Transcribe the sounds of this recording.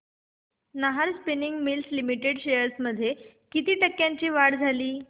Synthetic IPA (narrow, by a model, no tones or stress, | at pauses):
nəɦaɾspiniŋɡmilslimiʈeɽɕejəɾsməd̪ʱːje | kit̪iːʈəkːjaɲt͡ɕiːʋaɽd͡zʱaliː